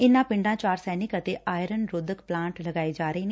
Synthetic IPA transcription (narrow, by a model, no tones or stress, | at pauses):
ɪnːãːpɪ̃ɳɖãːt͡ʃaːɾsɛːnɪkət̪eːʔaːjɾənɾʊd̪əkplãːɳʈləɡaːeːd͡ʒaːɾəeːneː